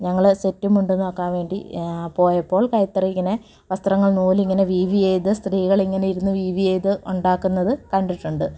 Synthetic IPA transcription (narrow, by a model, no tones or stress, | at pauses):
ɲɐŋːɐɭsetːumuɳɖunːo̞ːkːaːnʋe̞ːɳɖipo̞ːjɐpːo̞ːɭkɐjt̪ːɐrɐiŋːɐne̞ | ʋɐst̪rɐŋːɐɭnuːliŋːɐne̞ʋiːʋijejðɨst̪riːɣɐɭiŋːɐne̞jiɾunːuʋiːʋijejðɨʔuɳɖaːkːunːɐðɨkɐɳɖiʈːuɳɖɨ